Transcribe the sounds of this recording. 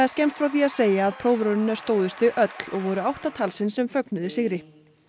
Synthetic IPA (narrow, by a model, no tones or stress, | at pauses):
ascɛmst̪fɾawθiaðseːjaːðpʰɾoːwvɾœwnɪnast̪oːwðʏst̪ɪʔœt̪l̥ɔɣvɔɾʏawht̪at̪ʰalsɪnsɛmfœknʏðɪsɪɣɾɪ